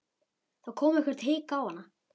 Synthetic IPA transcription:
θawkʰɔːmɛhkvɛɾt̪hɪːkaːwhanːa

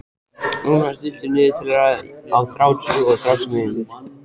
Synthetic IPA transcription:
nunfast̪ɪlt̪ɪɾnɪːðɪt̪ʰɪlɛɾaawθɾawt͡ɕʏɔɣθɾawsmɪnɪ̥

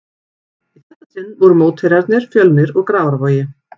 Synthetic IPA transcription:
iθɛt̪ːat̪ʰɪnːvɔɾʏmoːwt̪hejɾaɾt̪nɪɾ̥fjœlmɪɾɔɣkɾaːwaɾvɔːjɪ

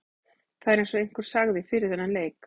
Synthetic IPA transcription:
θaðɛɾɛnsɔejŋ̥kʏɾ̥saɣðɪfɪːɾɪɾ̥θɛnːanleːjk

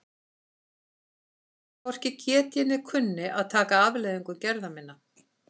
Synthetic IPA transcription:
pɔr̥cɪcʰɛːt̪jɛnːɪkʰʏnːɪʔaðt̪ʰaːkaaːvleːjðiŋkʏɾcɛɾðamɪnːa

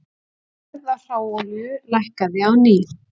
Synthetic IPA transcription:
ðar̥aːwɔlʏlajhkaðɪawniːð

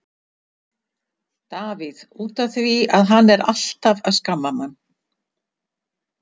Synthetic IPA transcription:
t̪aːvɪðuːt̪aθviaðɦanːɛɾal̥t̪avaðskamːamanː

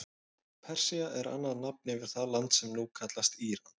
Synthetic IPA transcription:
pʰɛr̥siaʔɛɾa̰nːaðnap̚nɪvɪɾ̥θaðlant̪sɛmnuːkʰat̪last̪iːɾan

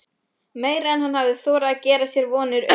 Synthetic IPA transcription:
meːjɾaɛnhanhavðɪθɔːɾaːcɛːɾasjɛɾvɔːnʏɾ

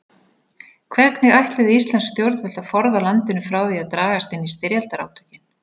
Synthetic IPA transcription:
kʰvɛɾt̪nɪɣajht̪lɪðɪist̪lanst̪jowɾt̪vɛl̥t̪aðfɔɾðalant̪ɪnʏfɾaːwðiaðt̪ɾaːɣast̪ɪnːist̪ɪɾjalt̪aɾa̰ːwt̪ʰʏ̥cɪn

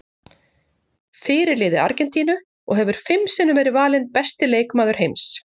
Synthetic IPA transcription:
fɪːɾɪɾlɪːðɪa̰ɾcɛnt̪iːnʏ | ɔ̰ɣɦɛvʏɾ̥fɪmsɛnːʏvɛːɾɪvaːlɪnpɛst̪ɪleːjkmaːðʏɾ̥ɦejms

